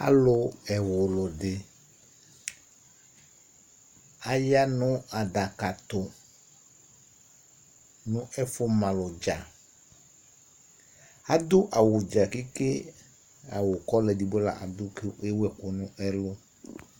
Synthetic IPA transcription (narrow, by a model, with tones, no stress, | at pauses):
a̰˦lʊ˦ɛ˨wʊ˨lʊ˨dɪ˨ | a˨ja˦nʊ̃˦a˨da˨ka˨t̪ʊ˨ | nʊ̃˦ʔɛ˦fʊ˦mã˨lʊ˨d͡ʒa˨ | a˦d̪ʊ˦ʔa˨wʊ˨d͡ʒa˨kɪ˦kɪ˦ | a̰˨wʊ˨kɔ˦lɛ˨di˨bo˦la̰˨ʔa̰˨d̪ʊ˦kɪ˦e˦wɛ˨kʊ˨nʊ̃˦ʔɛ˦lʊ˦